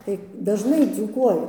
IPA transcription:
tɐɪ dɐʒˈnɐɪ d͡zuːˈkuɔjʊ

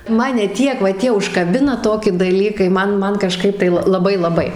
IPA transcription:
ˈmɑːnʲɛ ˈtʲiɛk ʋɐ ˈtʲiɛ ʊʃkɐˈbʲɪnɐ ˈtoːkʲɪ dɐˈlʲiːkɐɪ ˈmɐn ˈmɐn kɐˈʃkɐɪp tɐɪ ˈlˠɐ lˠɐˈbɐɪ lˠɐˈbɐɪ

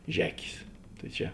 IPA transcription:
ˈʒʲæːkʲeːs tɐɪ ˈt͡ʃʲɛ

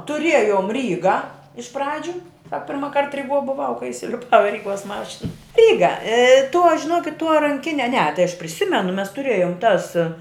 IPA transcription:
tʊˈrʲiɛjoːm ˈrʲiːɡɐ ɪʃ ˈprɑːd͡ʒʲʊ ˈsɐk pʲɪrmɐˈkɐrt rʲɪˈɡuɔ bʊˈʋɐʊ kɐɪ ɪsʲɪlʲɪˈpɐʊ ɪ ˈrʲiːˌɡuɔs ˈmɑːʃʲɪn ˈrʲiːɡɐ tuɔ ʒʲɪˈnuɔkʲɪt tuɔ rɐŋʲˈkʲɪnʲɛ nʲɛ tɐɪ ɐʃ pʲrʲɪˈsʲɪmʲɛnʊ mʲɛs tʊˈrʲeːjʊm tɐs

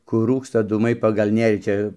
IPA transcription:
ˈkʊr ˈruːkstɐ ˈduːmɐɪ pɐɡɐlˠ ˈnʲeːrʲiː ˈt͡ʃʲɛ

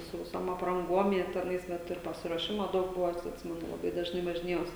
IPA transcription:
sʊ ʋʲɪˈsoːm ɐprɐŋˈɡuɔm jiɛ tʲɛˈnɐɪs ˈʋɐt ɪr pɐsʲɪruɔˈʃʲɪmɐ ˈdɐʊk ˈbʊʋɐ ˈɑːtʲsʲɪ ɐtʲˈsʲɪmʲɛnʊ lˠɐˈbɐɪ dɐʒˈnɐɪ ʋɐʒʲɪˈnʲeːjɛʊs

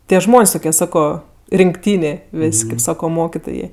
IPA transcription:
ˈtʲiɛ ˈʒmoːnʲsʲ ˈtʊkʲiɛ ˈsɑːkoː rʲɪŋkˈtʲiːnʲeː ˈʋʲeːsʲ kɐɪp ˈsɑːkoː ˈmoːkʲɪtoːjeː

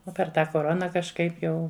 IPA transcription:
ˈoː pʲɛr ˈtɑː koːˈroːnɐ kɐʃˈkɐɪp ˈjɛʊ

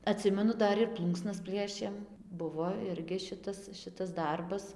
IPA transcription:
ɐˈtʲsʲɪmʲɛnʊ ˈdɐr ɪr ˈplˠuːŋksnɐs ˈpʲlʲiɛʃʲeːm ˈbʊʋoː ˈɪrʲɡʲɪ ˈʃʲɪtɐs ˈʃʲɪtɐs ˈdɐrbɐs

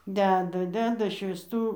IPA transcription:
ˈdʲæːdɐ ˈdʲæːdɐ ʃʲʋʲiːsˈtuː

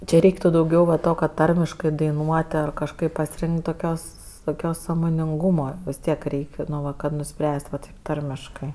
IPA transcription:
t͡ʃʲɛ ˈrʲɛɪktʊ dɐʊˈɡʲɛʊ ʋɐ ˈtoː kɐt ˈtɐrʲmʲɪʃkɜ dɐɪˈnuɔtʲ ɐr kɐʃˈkɐɪp pɐsʲɪˈrʲɪŋʲkʲtʲ toːˈkʲoːs toːˈkʲoːs sɑːmoːnʲɪŋˈɡuːmɐ ʋʲɪs ˈtʲiɛk ˈrʲɛɪkʲ noː ˈʋɐ kɐt nʊˈsʲpʲrʲæːsʲtʲ ʋɐ tɐɪp ˈtɐrʲmʲɪʃkɜ

